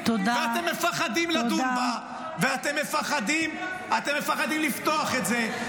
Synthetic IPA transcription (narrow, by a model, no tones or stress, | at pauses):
t̪od̪veat̪emːe̞faχad̪imlad̪uma | veat̪emːe̞faχad̪im | at̪e̞mːefaχad̪imlift̪o̞aχetze̞